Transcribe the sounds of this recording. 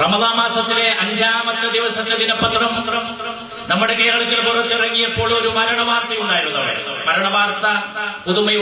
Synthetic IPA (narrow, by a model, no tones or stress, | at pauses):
rɐmɐðaːmaːsɐt̪ːile̞ʔɐɲd͡ʑaːmɐt̪ːɐd̪iʋɐsɐt̪ːed̪inɐpːɐt̪rɐm | nɐmːuɽekɐjɐɣɐɭɐk̪ːilpurɐt̪ːirɐŋːijɐpːo̞ːɭo̞ɾumɐɾɐɳɐʋaːrt̪ɐjunːaːjiɾunːɐʋḛmɐɾɐɳɐʋaːrt̪ːɐpuðumɐj